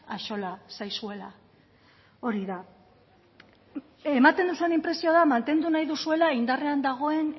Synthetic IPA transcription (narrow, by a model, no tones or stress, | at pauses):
aʃo̞lasajsue̞la | o̞ɾiða | e̞mat̪e̞nd̪usuenimpɾe̞sio̞ðamant̪e̞nd̪unajðusue̞laind̪are̞and̪aɣ̞o̞e̞n